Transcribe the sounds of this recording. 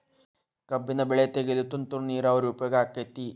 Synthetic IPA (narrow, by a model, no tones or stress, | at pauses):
kɐbːinɐbeɭet̪eɡelut̪ːunt̪uɾniːɾaʋɐɾuːpjoːɡaːkːet̪ːi